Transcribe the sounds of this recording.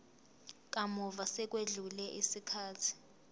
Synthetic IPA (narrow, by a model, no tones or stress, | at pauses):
k̬ʼamɔvasɛk̬ʼweɮulɛʔisikʰaːtʰi̥